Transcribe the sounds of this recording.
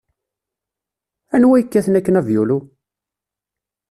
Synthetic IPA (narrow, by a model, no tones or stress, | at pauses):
ænwæjəkːæθnækːənævjulu